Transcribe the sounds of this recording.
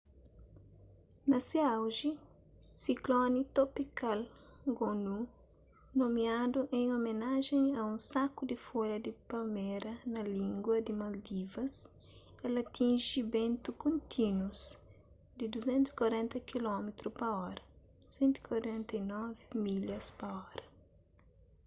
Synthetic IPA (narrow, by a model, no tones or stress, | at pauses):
nɐseawʒi | siklɔnit̪opikalɡonu | nomiad̪uʔẽŋomenaʒẽŋɐũnsakud̪ɪfoʎɐd̪ɪpɐlmeɾɐnɐlĩŋɡwɐd̪ɪmɐld̪ivɐs | elɐt̪ʰĩnʒibẽnt̪ukõnt̪ʰinwuz | d̪ɪd̪uzẽnt̪usi̥kwaɾɛ̃nt̪ɐkilɔmet̪ɾupɐɔɾɐ | usẽnt̪i̥kwaɾɛ̃nt̪ɐinɔvimiʎɐspɐɔɾɐ